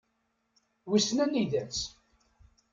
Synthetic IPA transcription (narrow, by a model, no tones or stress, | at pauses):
wisnæniðæt͡s